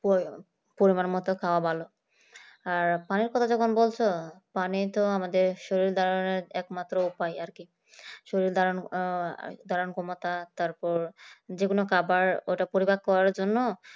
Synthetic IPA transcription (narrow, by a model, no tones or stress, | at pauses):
po | poɾimanmɔt̪okʰaoabʱalo | aɾpaniɾkɔt̪ʰad͡ʑɔkʰonbolt͡ɕʰopanit̪oamad̪eɾʃoɾiɾd̪ʱaɾoneɾɛkmat̪ːɾoupajaɾki | ʃoɾiɾd̪ʱaɾon | d̪ʱaɾonkʰɔmot̪at̪aɾpɔɾd͡ʑekonokabaɾojʈapoɾibʱaɡ̚kːɔɾaɾd͡ʑonːo